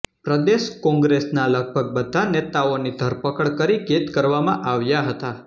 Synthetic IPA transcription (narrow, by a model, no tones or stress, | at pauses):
pɾəd̪eʃkɔ̃ŋɡɾesnaləɡ̚bʱəɡ̚bəd̪ʱanet̪aonid̪ʱəɾpəkəɽkəɾiket̪kəɾʋamãʔaʋjaɦət̪a